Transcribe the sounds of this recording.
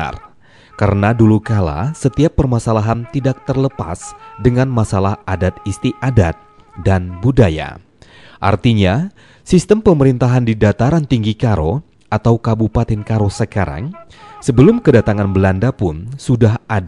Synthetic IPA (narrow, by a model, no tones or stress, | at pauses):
a̰r | kaɾənadulukala̰sət̪iapːərmasalaɦant̪idak̚t̪ərləpa̰sdəŋanmasalahadat̪ist̪iʔadat̪̚ | danbudaja̰ | ʔa̰rt̪iɲa | sist̪əmpəməɾint̪aɦandidat̪aɾant̪iŋɡikaɾo | ʔat̪awkabupat̪ɪnkaɾosəkaɾa̰ŋsəbəlʊmkədat̪aŋanbəlandapʊnsudaɦad